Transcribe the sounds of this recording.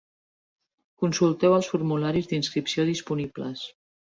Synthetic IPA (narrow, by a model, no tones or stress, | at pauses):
kunsulˠt̪ɛwəlˠsfuɾmulaɾizd̪inskɾipsioðispunibləs